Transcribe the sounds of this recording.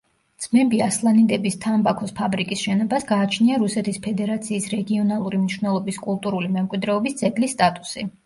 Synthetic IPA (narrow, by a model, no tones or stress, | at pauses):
d̪z̥mɛmbiaslˠanid̪ɛbist̪ʰambakʰɔspʰabɾikʼisʃɛnɔbasɡaːt͡ʃʰniaɾusɛt̪ʰispʰɛd̪ɛɾat̪sʰiːsɾɛɡiɔnalˠuɾimniʃvnɛlˠɔbiskʼulˠt̪ʼuɾulimɛmkʼwid̪ɾɛɔbist̪sʼɛɡlisːt̪ʼat̪ʼu̥si